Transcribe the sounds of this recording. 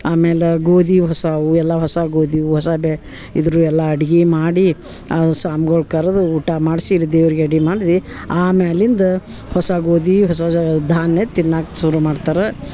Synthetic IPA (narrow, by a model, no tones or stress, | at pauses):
aːmeːleɡoːd̪iɦɔsaʋuɛlːɐɦɔsaɡoːd̪ʱiuɦɔsabe | ḭd̪ɐɾuːɛlːɐɐɽiɡimaːɽi | asaːmɡoɭkaɾɐd̪uuːʈamaːɖsiɾid̪eːʋɾiɡeɐɽɡimaːɖid̪i | aːmeːlind̪ɐ | hɔsɐɡoːd̪iɦɔsɐd̪ʱaːnjet̪inːaːkʃuɾumaːɖt̪aːɾe